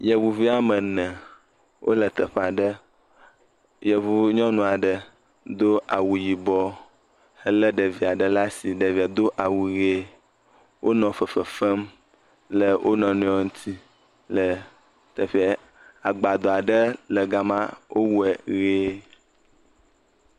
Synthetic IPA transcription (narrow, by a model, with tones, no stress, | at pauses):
jə˨wu˨vi˦a˨mə˨nɛ̃˨ | wʔo̰˦lə˨t̪ə˨ɸa˨ɖə˦ | jə˨vu˦ɲɔ̃˦nũ˨a˨ɖə˨ | d̪o˦ʔa˨wu˨ji˨bɔ˦ | hə˦lə˦ɖə˨vi˨a˨ɖə˨la˦si˨ɖə˨vi˨a˨d̪o˦ʔa˨wu˨ɣe˦ | wʔo˦nɔ̃˨fə˨fə˨fə˦m | lə˨wʔo˦nɔ̃˨nẽ˨ɔ˨ŋũ˦t̪ʰi˦ | lə˨ | t̪ə˨ɸe˦ | a˨ɡ͡ba˨d̪o˨a˨ɖə˦lə˨ɡa˨mã˦wʔo˦wu˦ɛ˨ɣe˦